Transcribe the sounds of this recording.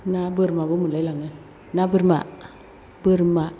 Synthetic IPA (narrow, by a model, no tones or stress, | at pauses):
nabəɾmabumulalaŋə | nabəɾma̰ | bəɾma